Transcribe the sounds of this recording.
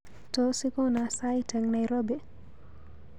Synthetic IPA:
tɔsikɔnasajtʰɛŋnajɾɔbi

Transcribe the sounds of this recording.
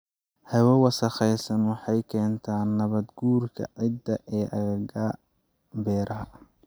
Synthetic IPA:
hɐwɔwɑsɐχɛjsɐnwɑħɑjkʰɛːnt̪ʰaːnːɐβɐd̪ɡuːrkʰɐ̰ʕɪd̪ːɐʔɛːʔɐɣɐɣɐ | bɛːɾɐɦɐ

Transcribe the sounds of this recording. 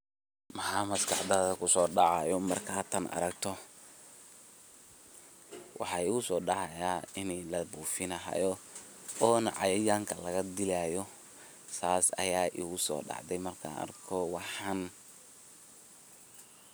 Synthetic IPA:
mɐɦaːmɐskʰɑħd̪ɐðɐkʰʊsɔːɖɑʕɑjɔmɐrkʰaːt̪ʰɐnʔɐ̰ɾɐɡ̚t̪ʰɔ | wʔɑ̰ħɑːiɣʊsɔːɖɑʕɑjaːɪnɛlɐbuːfɪnɐɦɐ̰jɔ | ɔːnɐ̰ʕɑ̰jɐjaːŋkʰɐlɐɣɐd̪ɪlaːjɔ | saːsɐ̰jaːʔiɣʊsɔ̰ːɖɑ̰ʕd̪ɛjmɐrkʰa̰ːɐ̰rkʰɔwɑħɑn

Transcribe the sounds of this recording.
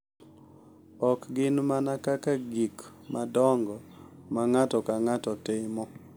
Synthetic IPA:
ɔkɡɪnmanakakaɡik | madɔŋɡɔ | maŋatɔkaŋatɔtɪmɔ

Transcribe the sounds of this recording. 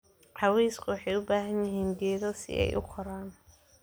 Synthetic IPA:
ʕɑwɛjskʰʊwɑħɑjʊbaːɦɐnjɪɦiːndɛːðɔsɪ̰ʔɛ̰jʔʊ̰kʰɔɾaːn

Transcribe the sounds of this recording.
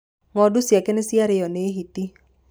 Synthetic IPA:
ŋɔdʊsjakenɪsɪaɾejɔneɦiti

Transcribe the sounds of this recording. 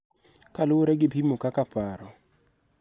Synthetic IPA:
kalʊoɾɛɡɪbʱimokakapaɾɔ

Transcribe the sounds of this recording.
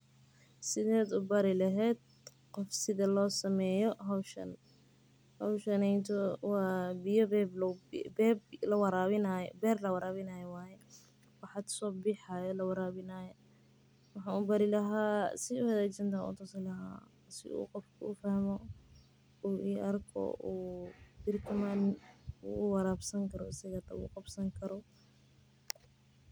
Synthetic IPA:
sɪðɛːd̪ʊbɐɾɪlɐɦɛːd̪̚ | qɔfsɪðɐlɔːsɐmɛːjɔɦɐwʃɐ̰n | hɐwʃɐnɛjnt̪ʰɔwɑːbɪjɔbɛblɔbɛblɐwɑɾaːβɪnaj̰bɛːrlɐwɑɾaːβɪnɐjɛwaːjɛ | wɑħɑt̪sɔːbɪħajɔlɐwɑɾaːβɪnajɔ | wɑħaːubɐɾɪlɐɦaːsɪʊhɐðɛːt͡ʃɐnt̪aṵt̪ʰʊsɪlɐɦa̰ | sɪ̰ʔṵːqɔfkʰʊufɐhmɔ | uːʔiːʔɐrkʰɔ̰ʔuːbɪrk̪ʰɐmanuwɑɾaːbsɐŋkʰɐɾɔɪsɐɣɐt̪ʰɐṵqɑbsɐŋkʰɐɾɔ

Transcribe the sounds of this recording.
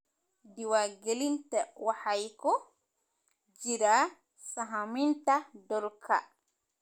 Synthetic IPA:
diwaɡelintawahajkɔ | d͡ʒiɾa | saɦamintadɔlkʰa̰

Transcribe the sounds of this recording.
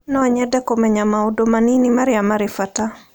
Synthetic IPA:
nɔɲɛdɛkɔmɛɲamaudomaninimaɾɪamaɾɪfata

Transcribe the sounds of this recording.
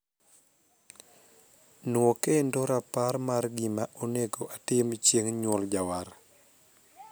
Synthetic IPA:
nwɔkendoɾapaɾmarɡɪmaʔoneɡoʔatɪmt͡ʃjeŋɲwɔld͡ʒawaɾ

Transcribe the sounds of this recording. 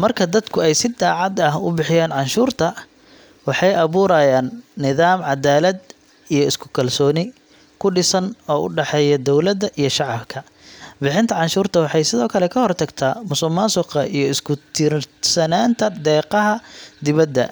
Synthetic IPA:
mɐrkʰɐd̪ɐd̪kʰʊɛjsɪd̪aːʕɑd̪ɐhʊbɪħɪjaːnʕɑnʃuːrt̪ʰɐ | wɑħɑjʔɐβuːɾɐjaːnːɪðaːmʕɑd̪aːlɐd̪ | ijɞɪskʰʊ̥kʰɐlsɔːnɪ | kʰʊɖɪsɐnɔːʔʊ̰ɖɛħɛːjɐd̪ɔwlɐd̪ɐʔijɞʃɑʕɑbkʰɐ | bɪħɪnt̪ʰɐʕɑnʃuːrt̪ʰɐwɑħɑjsɪðɔːkʰɐlɛkʰɐhɔrt̪ʰɐɡt̪ʰamʊsʊmasʊqɐʔijɞɪskʰʊt̪ʰiːrsɐnaːnt̪ʰɐd̪ɛːqɐɦɐd̪ɪβɐd̪ːɐ̰

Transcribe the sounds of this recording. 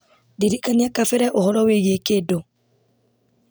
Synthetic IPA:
diɾikaniakafeɾaʔohɔɾɔweɣekedo

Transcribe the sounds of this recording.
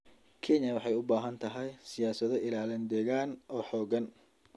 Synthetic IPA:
kʰɛɲjɐwɑħɑjʊbaːɦɐnt̪ʰɐɦɛjsɪjaːsɐðɔʔɪlaːlɪnd̪ɛːɣaːnʔɔːħɔːɣɐn

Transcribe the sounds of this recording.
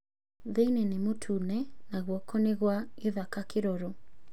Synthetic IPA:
ðejnɛnemotʰunɛnaɣwɔkɔneɣwaeðakakeɾoɾo

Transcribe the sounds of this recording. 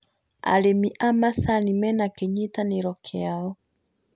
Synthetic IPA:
a̰ɾemiʔamasanimɛnakeɲitaneɾɔkʰeaɔ

